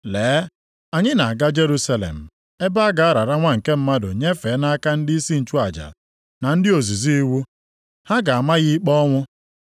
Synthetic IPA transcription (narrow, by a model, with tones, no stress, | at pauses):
leː˨˦ | a˨ɲɪ˦na˨a˨ɡa˦d͡ʒe˦ɾu˦sa˦lḛ˨m̩˨ | e˦ba˦a˦ɡa˨a˦ɾa˨ɾa˦ŋʷa˦ŋ̩˨ke˦m̩˦ma˦dʊ̰˨ɲe˦fe˨˦na˦a˦ka˦n̩˦dɪi˦i˦si˦n̩˨t͡ʃu˦a˨d͡ʒa̰˨ | na˨n̩˦dɪ˦o˨zi˨zi˦i˦wu˦ | ha˦ɡa˨a˨ma˦ɣi˦k͡pɔ˦ŋʷʊ˦